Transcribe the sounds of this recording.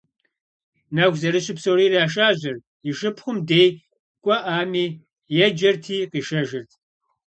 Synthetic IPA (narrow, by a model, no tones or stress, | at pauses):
nɐɡʷzɐɾɨɕɪpsowɾiːraːʃ̬aːʑɐr | jɪʃɨpʰχʷʊmdej | kʷʼɔʔaːmiː | jɛd͡ʒɐrtʰiːqiːʃɐʒɪrtʰ